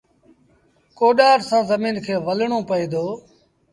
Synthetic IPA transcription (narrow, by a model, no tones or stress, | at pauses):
koːɗaːɾsãːzəmiːnkʰeːʋəlɳõːpəeːd̪oː